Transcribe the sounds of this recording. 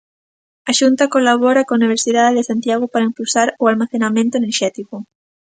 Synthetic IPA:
aʃunt̪akolaβɔɾakõauniβ̞eɾsiðaðeðesant̪jaɣ̞opaɾaimpulsaɾʊalmaθenamẽnt̪oeneɾʃɛt̪ikʊ

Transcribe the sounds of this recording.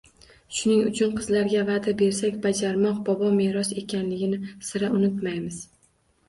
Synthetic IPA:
ʃʊnɪŋʊt͡ʃʰʊnqʰɨzlaɾɡʲavad̪abe̞ɾsakʲbad͡ʒaɾmɒq̚bɒbɒme̞ɾɒse̞kʲʰanlɪɡʲɪnɪsɪɾaʊnʊt̪majmɪz̥

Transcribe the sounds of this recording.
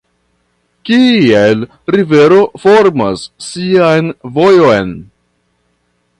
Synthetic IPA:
kiel | ɾive̞ɾo̞fo̞ɾma̰sːiajnvo̞jojn

